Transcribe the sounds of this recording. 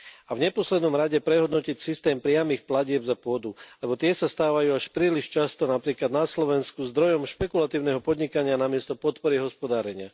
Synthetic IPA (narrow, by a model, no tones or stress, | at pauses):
avɲɛpɔslɛd̪nɔmɾaɟɛpɾɛɦɔd̪nɔcicsist̪ɛːmpɾɪamiːxplaɟɪɛbzapʊɔd̪ulɛbɔt̪ɪɛsast̪aːʋajuːaʃpɾiːliʃt͡ʃast̪ɔnapɾiːklad̪naslɔʋɛnskuzd̪ɾɔjɔmʃpɛkulat̪iːʊnɛɦɔpɔd̪ɲikaɲɪanamɪɛst̪ɔpɔt̪pɔɾiɦɔspɔd̪aːɾɛɲɪa